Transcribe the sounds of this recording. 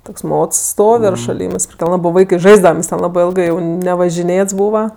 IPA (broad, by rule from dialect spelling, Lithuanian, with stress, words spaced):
ˈtoːks ˈmoːts ˈstoːw ɪr ʃɐˈlʲiːmɜs pʲrʲɪklˠ ˈlˠɑːbɜ ˈʋɐɪkɜ ˈʒɐɪzdɐʋɐm nʲɛs tʲɛn ˈlˠɑːbɜ ˈɪlˠɡɜ jɛʊ nʲɛʋɐʒʲɪˈnʲeːts ˈbuːʋɐ